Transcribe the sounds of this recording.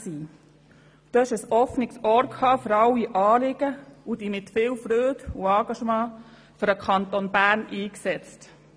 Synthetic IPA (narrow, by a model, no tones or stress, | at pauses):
siː | d̥̪oɛʃəsɔfnɪksɔɾkʰhɑːføɾɑwiʔɑːlɪɡ̥əud̪imɪt̪fɪːwfɾøːd̪uɑːɡ̥ɑʃmɑː | føɾəkʰɑnt̪onbæːɾnʔiːksɛt͡st